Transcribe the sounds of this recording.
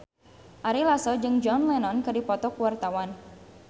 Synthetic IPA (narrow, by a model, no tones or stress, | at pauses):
ʔaɾilasɔd͡ʒɨŋd͡ʒɔnlɛnɔnkɨdipɔt̪ɔkuwart̪awan